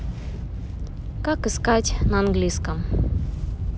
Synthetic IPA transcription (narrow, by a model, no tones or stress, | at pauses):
kakɨskatʲnɐanɡlʲiskəm